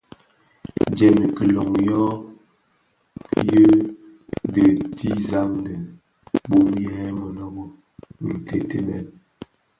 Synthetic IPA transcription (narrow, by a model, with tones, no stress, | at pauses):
d͡ʒɛ˨mi˨kə˨lɔ˨ŋjɔ˦ | jə˦ | də˨ti˦za˦ŋdə˨ | bo˦mjɛ˨˦mɔ˨lɔ˦bɔ˦ | ḭ˨n˨te˦te˦mɛ˦˨n